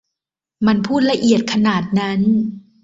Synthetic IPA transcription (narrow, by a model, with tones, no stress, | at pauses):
ma˧npʰuː˥˩t̪̚la˧ʔi˨˩ət̪̚kʰa˧naː˨˩t̪̚na˦˥n